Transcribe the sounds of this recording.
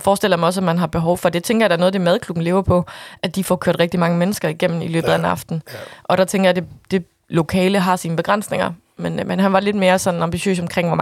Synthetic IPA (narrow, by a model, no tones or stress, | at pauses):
fɒːsd̥el̰ɐjmɑɒ̽s̬ɒmænɦɑ̈b̥e̝ɦɒʊfɒ̽d̥e̝t͡sʰeŋɡɐjad̥æɐɔ̽ð̩ˠd̥e̝mæð̞ˠkʰlub̥n̩le̝ːʊɐpʰɒ̽ʔæd̥ifɒkʰøɐd̥ʁɛɡ̥̚d̥imɑ̈ŋəmenəsɡ̥ɐiɡ̥em̰n̩ilø̰ːb̥ð̩ˠæenɑ̈fd̥n̩ʔɒ̽ɾ̥ɑt͡sʰeŋɡɐjäd̥ed̥e̝ | lo̝kʰɛ̰ːləɦɑ̈siːnəb̥e̝ɡ̥ʁɑn̰sne̝ŋɐ | menmenɦænʋɑ̈le̝d̥̚me̝ːɐsɒ̽nɑ̈mbiɕø̰ːsɒ̽mkʰʁeŋ̰ʋɒm